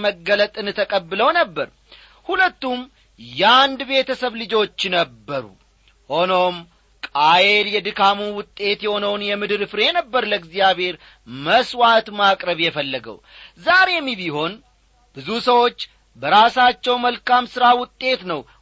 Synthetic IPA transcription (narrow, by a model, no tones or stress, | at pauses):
məɡːələt̪ʼɨnɨt̪ʰəkʼəbːɨləwnəbːəɾ | hulət̪ːum | jɛand̪be̞t̪ʰəsəβlɨd͡ʒo̞t͡ʃːnəbːəɾṵ | ho̞no̞m | kʼajeljɛd̪ɨkʰamuwʊt̪ʼːe̞t̪jɛho̞nəwnjɛmɨd̪ɨɾfɾenəbːəɾləɡzjaβe̞ɾ | məswat̪makʼɾəβjɛfəlːəɡə̰w | zaɾe̞miβiho̞n | b̥ɨzusəwo̞t͡ʃː | bəɾasat͡ʃːɛwməlkamsɨɾawʊt̪ʼːe̞t̪nəw